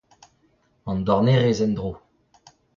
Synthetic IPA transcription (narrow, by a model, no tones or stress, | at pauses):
ɑ̃nd̪wɔʁneʁezɛnd̪ʁoː